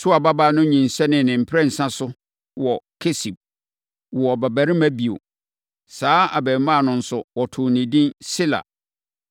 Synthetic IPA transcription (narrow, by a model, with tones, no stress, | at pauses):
sʊ˦a˨ba˦ba˦˨nʊ̃˦ɲĩ˨n̩˨sɛ˦nɪ̃˨nɪ̃˨m̩˨pʰɾɛ˦˨n̩˨sã˦sʊ˦ | wɔ˨kʰe˦si˨b̚ | wɔ˨bæ˨bæ˨ɾɪ̃˦mæ̃˦bi˨o̰˨ | saː˨˦a̰˨bɛ˨˦mã˦˨nʊ̃˨n̩˨sʊ˨wɔ˨tʰʊ˨nĩ˨dĩ˦nsɪ˦la̰˨